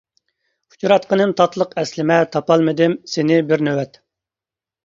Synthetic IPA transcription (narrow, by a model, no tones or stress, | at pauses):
hu̥t͡ʃɾɑt̪̚qʰənɨmt̪ʰɑt̪ʰlˠəqɛslɪmɛt̪ʰɑpɑlˠmɨd̪ɪmsɪnɪbɪɾnøwɛt̪